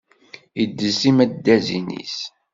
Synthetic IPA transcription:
jəd̪ːəsimæd̪ːæzinḭs

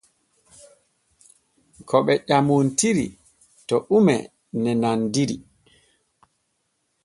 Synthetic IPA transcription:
kʰɔɓɛʄamuntiɾi | tɔʔumɛ̰ | nɛnandiɾḭ

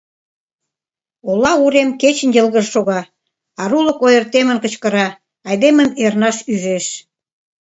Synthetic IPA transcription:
olɑuɾemket͡ɕə̆njə̆lˠɣəʃʃoɣɑ | ɑɾulə̆kojərt̪emənkə̆t͡ɕkə̆ɾɑ | ɑjd̪eməmernɑʃyʒeʃ

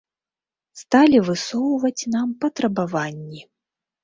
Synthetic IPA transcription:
st̪alʲivɨsɔwvɐt͡sʲnampɐt̪ɾɐbavanʲːi

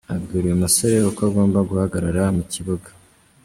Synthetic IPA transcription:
abɡiːɾijumusoɾe̞okoaɡo̞ːmbaɡuhaɡaɾaɾamuciβoɡḁ

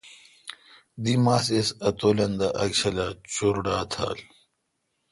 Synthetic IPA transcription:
d̪imaːsesɐt̪oːlɐnd̪ɐʔɐkɕɐlat͡ɕoɾɖaːt̪ʰa̰ːl

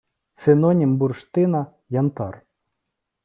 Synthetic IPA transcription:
sɪnonʲimburʂt̪ɪnɐ | jant̪ɑr

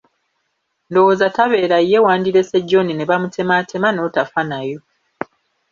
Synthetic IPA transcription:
ndo̞woːzataβe̞ːɾajːe̞waːndiɾe̞seɟːo̞nine̞βamutʰe̞matʰe̞mano̞tafanajo̞

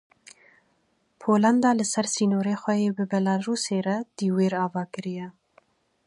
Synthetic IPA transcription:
pʰoːlɑnd̪ɑːlɨsɛɾsiːnoːɾeːxʷɛjeːbɨbɛlɑɾuːseːɾɛd̪̥iːweːɾɑːvɑːkɨɾijɛ

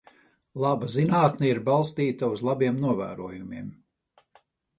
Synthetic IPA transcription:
lˠabazinaːt̪nɛiɾbɑlˠst̪iːt̪auzlˠabiɛmnuɔvæ̰ːɾuɔjumiɛm

